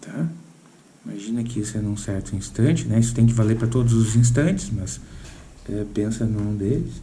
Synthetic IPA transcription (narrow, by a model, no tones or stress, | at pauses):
t̪ʰa | imaʒĩnɐkɪisʊɛnũsɛɾt̪ʊĩst̪ɐ̃t͡ʃɪnɛisʊ̥t̪ẽj̃k̬ɪvaleɾpɾɐt̪od̪ʊzʊzĩs̬t̪ɐ̃t͡ʃɪ̥smɐs | ɛpẽsɐnɐ̃ũd̪elɪs